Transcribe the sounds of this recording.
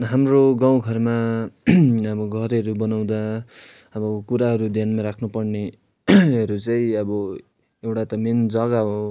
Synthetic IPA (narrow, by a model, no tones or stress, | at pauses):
ɦamroɡaw̃ɡʱʌrma | ʌbʌɡʱʌɾʌɾubʌnaw̃d̪a | ʌbʌkuɾaɦʌɾud̪janmaɾakʰnupʌrne | ʌɾut͡sʌĩʌbʌ | ewʈat̪ʌmend͡zʌɡaɦo